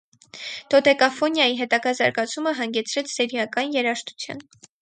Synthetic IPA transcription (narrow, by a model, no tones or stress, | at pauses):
d̪̥ɔd̪ɛkɑfɔnjɑjiɦɛt̪ɑɡɑzɑɾɡɑt͡sʰuməɦɑŋɡɛt͡sʰɾɛt͡sʰsɛɾjɑkɑnjɛɾɑʃt̪u̥t͡sʰjɑ̰n